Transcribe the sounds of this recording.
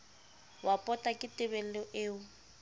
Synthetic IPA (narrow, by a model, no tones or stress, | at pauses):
wapʼɔtʼakʼɪtʼɪbɛl̩lɔʔeːu